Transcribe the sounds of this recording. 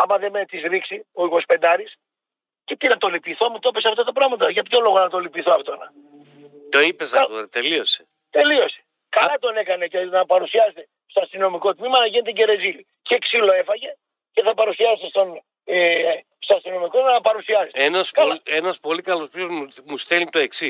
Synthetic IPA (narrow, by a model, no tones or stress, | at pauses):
ɐmɐðemet̪izɾiksioiɣo̞spe̞nd̪ɐɾis | ce̞t̪inɐt̪o̞lipiθoɐmut̪opesɐfot̪ɐt̪ɐpɾɐɣmɐt̪ɐʝɐpço̞lo̞ɣonɐt̪o̞lipiθoɐft̪onɐ̰ | t̪oipezɐoɾt̪elio̞se | t̪e̞lio̞se̥ | kɐlɐt̪o̞ne̞kɐne̞cenɐpɐɾusiɐset̪e | st̪oɐst̪ino̞miko̞t̪mimɐnɐʝine̞t̪eɟe̞ɾe̞zili | ceksilo̞e̞fɐʝe̞ | ce̞θɐpɐɾusiɐset̪est̪o̞n | e | st̪oɐst̪ino̞mikonɐpɐɾusiɐsisenɐsklenɐspo̞likɐlospiozmust̪elit̪oeksi